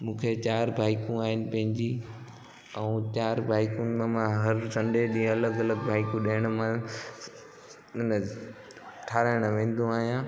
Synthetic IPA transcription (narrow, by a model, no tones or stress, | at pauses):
mũːkʰet͡ɕaːɾbʱaːɪkũaːɦɪnɪ̆pɐ̃ɦɪ̃ɲd͡ʑi | ɛũt͡ɕaːɾbʱaːɪkũmãmãɦɐɾsɐ̃ɳɖeɗĩːɐləɡɐləɡbʱaːɪkũɗeːəɽ̃mã | ɪnə | ʈʰaːɾəɽ̃ʋẽːn̆d̪ʱũaːɦijã